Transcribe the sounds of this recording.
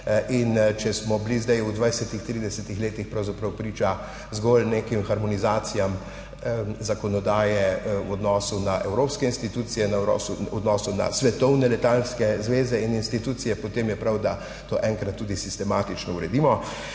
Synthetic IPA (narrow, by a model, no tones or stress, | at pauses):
int͡ʃɛsmɔblizd̪ɛjud̪ʋajsɛt̪ixt̪ɾid̪ɛsɛt̪ixleːt̪ixpɾawzapɾɐwpɾiːt͡ʃa | zɡolneːkimxaɾmɔnizaːt̪sijam | zakɔnɔd̪aːjɛwɔd̪nɔsunaʔɛwɾoːpskɛinst̪it̪uːt̪sijɛnaɔ̰suɔd̪nɔːsuna̰sʋɛt̪ɔwnɛlɛt̪alskɛzʋeːzɛininst̪it̪uːt̪sijɛpɔt̪emjɛpɾawd̪a | t̪oːʔɛŋkɾat̪ːuːd̪isist̪ɛmaːt̪it͡ʃnɔuɾɛd̪imɔ